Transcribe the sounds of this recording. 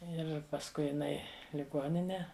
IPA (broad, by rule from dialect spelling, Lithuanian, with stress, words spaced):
ˈɪr pɐsˈkʊɪ jɪˈnɐɪ lʲɪˈɡoːnʲɪnʲɛ